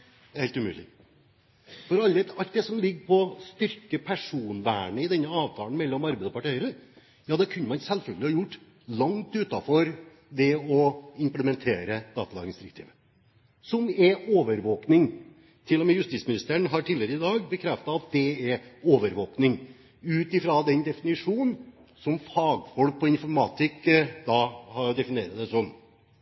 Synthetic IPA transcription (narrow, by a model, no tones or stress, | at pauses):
d̪ɛɾhɛːlt̪ʉmʉ̰ːlɪ̰ | fɔɾɑlːəɑlt̪̚d̪ɛsɔmlɪɡːpʰɔst̪ʏɾkəpʰæʂuːnʋæːɳəɪd̪ɛnːəɑːʋt̪ʰɑːln̩mɛlːɔmɑɾbɛd̪əpɑʈʰɛɪəɾə | jɑːd̪ɛkʰʉnːəmɑnsɛlfœlɡəlɪhɑjʊʈː | lɑŋt̪ʉːt̪ɑfɔɾ | d̪ɛɔɪmpləmɛnt̪ʰeːɾəd̪ɑ̰ːt̪ɑlɑ̰ːɡɾɪŋsd̪ɪɾɪkt̪ʰḭːʋə | sɔmɛoːʋəɾʋoːknɪŋ | t̪ʰɪlːɔmɛjʉst̪iːtsmɪnɪst̪əɳɦɑʈʰiːlɪəɾəɪd̪ɑːɡbəkʰɾɛft̪ɑɑt̪̚d̪ɛɛɾoːʋəɾʋoːknɪŋ | ʉːt̪ɪfɾɑd̪ɛnd̪ɛfɪnɪʂuːn | sɔmfɑːɡfɔlk̚pʰɔɪnfɔɾmɑːt̪ɪkd̪ɑhɑɾɖ̪ɛfɪneːɾɑt̪d̪ɛsɔm